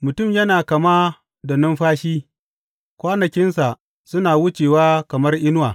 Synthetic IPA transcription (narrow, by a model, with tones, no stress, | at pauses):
mʊ˨tʊ˦˨mjɐ˦naː˨kɐ˨ma˦ | da˨nʊ˦mɸaː˦ʃiː˦ | kʷaː˦nɐ˨kʲɪ˦nsa˨ʔ | sʊ˦naː˨wʊ˦t͡ʃeː˨waː˦kɐ˨mɐ˦rʔɪ˦nʊ˦waː˨